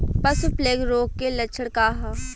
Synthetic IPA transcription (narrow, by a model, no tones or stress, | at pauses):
pɐsupleːɡɾoːk̚kːelɐt͡ʃʰəɽkaːɦa